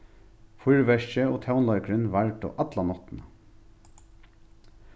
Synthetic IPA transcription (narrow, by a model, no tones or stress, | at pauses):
fʊɹʋɛʂçəoːt̪ʰaʊnlɔʏkɾɪnʋaɹʈɔ̰ʔat̪lanɔt̪nə